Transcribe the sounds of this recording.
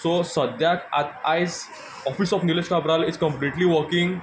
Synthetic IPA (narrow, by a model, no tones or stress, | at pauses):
sosəd̪ʱjaka̰t̪ajs | ɔfisɔfniled͡ʒkabɾaliskə̃mpliʈliʋəɾkĩŋɡ